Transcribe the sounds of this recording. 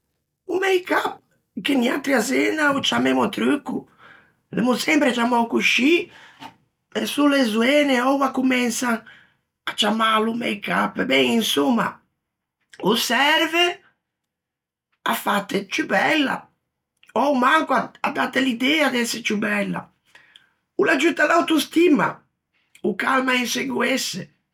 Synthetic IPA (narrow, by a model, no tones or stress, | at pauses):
umɛjkap̚ | kenia̰t̪ɾiazɛnaut͡ʃamɛmɔt̪ɾukːu | lɛ̰musɛmpɾet͡ʃamɔwkuʃi | ɛsulezuɛnɛɔwakːumɛnsaŋ | at͡ʃamalumɛ̰jkapːɛbɛŋinsumːa̰ | usɛɾvɛ | a̰fat̪ːɛt͡ʃubɛlːa̰ | ɔwmaŋkuaad̪ːat̪ːɛlid̪ɛːad̪ɛsɛt͡ʃubɛlːa̰ | ulad͡ʒut̪ːalawt̪ust̪ima̰ | ukalmainseɡuɛsːɛ